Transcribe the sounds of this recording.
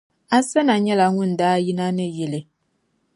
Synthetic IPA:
a˨sɛ˦na˨ɲɛ˦la˨ŋʊ˦n˨daː˦ji˦na˦nɨ˦jɛ˨lɪ˨

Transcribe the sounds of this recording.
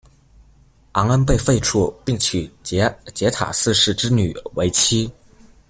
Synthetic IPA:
a˧˥ŋə˥np̬e˥˧ɪfe˥˧ɪʈ͡ʂʰu˥˧pi˥˩ŋt͡ɕʰy˨˩t͡ɕjɛ˧˥t̪ʰa̰˨˩sɹ̩˥˧ʂɻ̩˥˩ʈ͡ʂɻ̩˥ny˨˩˦we˧˥ɪt͡ɕʰi˥

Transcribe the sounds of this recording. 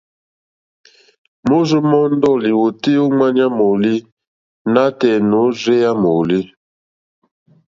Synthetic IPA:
mo˦zu˦mɔ˦n̩˦dɔ˦˨li˨wo˨ti˦o˦ŋa˦ɲa˦mo˨li˦ | na˦tɛ˨no˨˦ze˦ja˦mo˨li˦

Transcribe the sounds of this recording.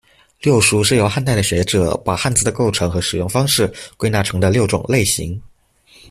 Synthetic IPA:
ljo˥˩ʊʂu˧˥ʂɻ̩˥˩jo˧˥ʊxa˥˧nt̪a˥˩ɪd̪ə˩ɕɥɛ˧˥ʈ͡ʂɤ˨˩˦pa˨˩xa˥˧nt͡sɹ̩˥˩d̪ə˩ko˥˩ʊʈ͡ʂʰɤ˧˥ŋxɤ˧˥ʂɻ̩˨˩jʊ˥˩ŋfɑ˥ŋʂɻ̩˥˩kwe˥ɪna˥˩ʈ͡ʂʰɤ˧˥ŋd̪ə˧ljo˥˩ʊʈ͡ʂʊ̰˨˩ŋle˥˩ɪɕḭ˧˥ŋ

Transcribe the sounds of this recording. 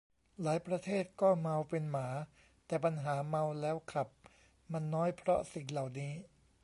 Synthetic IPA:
laː˩˦jpɾa˧t̪ʰeː˥˩t̪̚kɔː˥˩ma˧wpe˧nmaː˩˦ | t̪ɛː˨˩pa˧nɦaː˩˦ma˧wlɛː˦˥wkʰɾa˨˩p̚ | ma˧nːɔː˦˥jpʰɾɔ˦˥si˨˩ŋla˨˩wniː˦˥

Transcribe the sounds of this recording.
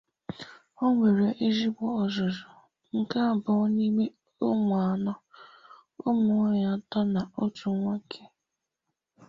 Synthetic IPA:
ɔ˦ŋʷe˨ɾe˨ʔi˦zi˦bʷɔ˦ɔ˨zɔ˨zɔ˨ | ŋ̩˨ka˦˨bʊ˨˦ni˦me˦ | o˦mʊ˨a˨nɔ˦ | o˦mʊ˨ŋɔ˦ɲa˦tɔ˦na˨ɔ˦tu˨˦ŋʷa˦kʰe˨

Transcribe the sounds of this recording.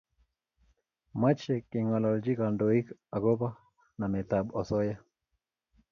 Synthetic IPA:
ma˦t͡ʃe˨kːɪ˨ŋɔ˨lɔ˨ld͡ʒi˦ka˨ndo˨i˦ka˨ɡo˦pa˦ | na˨mɛ˨ta˨ɓɔ˨sɔ˦ja˦

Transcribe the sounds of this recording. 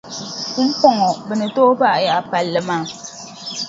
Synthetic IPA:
k͡pɔ˦˨ŋɔ˨bɨ˨nɨ˨to˦ba˦˨ʔja˨pa˨lːɨ˨maː˦˨

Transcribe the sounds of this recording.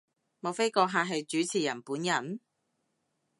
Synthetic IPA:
mo˨wfe˥jkɔː˧ɦaː˨˧ɦɐ˨jt͡ʃyː˨˥t͡sʰiː˨˩jɐ˨˩npuː˨˥njɐ˨˩n

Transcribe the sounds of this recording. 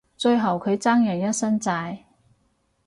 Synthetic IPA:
t͡ʃɵ˧ɥɦɐ˨˩wkʰɵ˨˧ɥt͡saː˥ŋjɐ˨˩ŋjɐ˥t̚sɐ˥nt͡saː˧j

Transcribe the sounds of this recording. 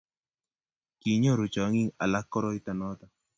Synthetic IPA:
ki˨ɲo˦ɾu˨t͡ʃɔ˨˦ŋi˦ŋa̰˨la˦kːɔ˦ɾɔ˦i˦t̪a˨nɔ˦t̪a˨

